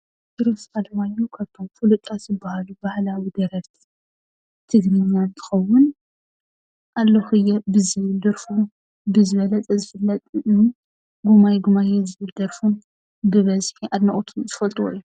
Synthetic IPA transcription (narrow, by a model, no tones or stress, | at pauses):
tɨɾoskʰalɐmajːukʰaβt̪ʰomfulɨt̪ʼːasɨbːahalubahlawid̪ɐɾɐɾt̪ʰ | t̪ʰɨɡɾɨɲːant̪ʰɨ̥xɐwːʊn | ʔalːoxɨjːɛbɨzijd̪ɐɾfu | bɨzɨβɐlɐt͡s̪ʼɐzɨfɨlːɐt̪ʼɨʔɨn | ɡumajɡumajɛzɨβɨld̪ɐɾfun | bɨβɐzħiʔad̪nɐχʼt̪ʰuzɨfɐlt̪ʼuwo̰jːu